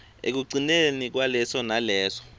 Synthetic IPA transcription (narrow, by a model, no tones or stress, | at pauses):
ḛk̬uǀinenik̬walɛsɔnalɛːsɔ̥